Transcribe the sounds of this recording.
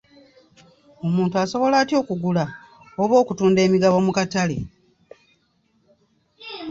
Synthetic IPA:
o̞muːntuaso̞βo̞laːtjo̞ːkuɡula | oβo̞ːkutuːnde̞ːmiɡaβo̞mukatalḛ

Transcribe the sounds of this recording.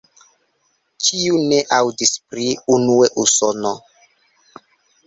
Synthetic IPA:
t͡ʃiune̞ʔawdispɾiunueʔusono

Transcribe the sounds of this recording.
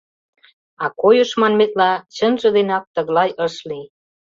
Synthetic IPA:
ɑkojə̆ʃmɑnmet̪lɑt͡ɕənʒə̆d̪enɑk̚t̪ə̆ɣlɑjʔəʃli

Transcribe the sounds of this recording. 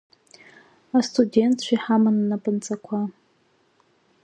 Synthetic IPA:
astʰʼudʲe̞ntʰʃʷᶣiħamananapʼɨnt͡sʼakʷʰa

